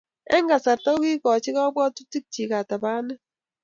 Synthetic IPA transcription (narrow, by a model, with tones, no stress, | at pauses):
ɛ̰˦ŋɡa˨sa˨ɾta˦ki˦kɔ˨t͡ʃi˦kɔ˦bwɔ˦tu˦ti˦k̚t͡ʃi˨ka˨ta˨baː˦nɛ˦